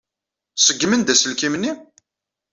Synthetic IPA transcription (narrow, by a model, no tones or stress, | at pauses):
səɡːmənd̪æsəlkimnːi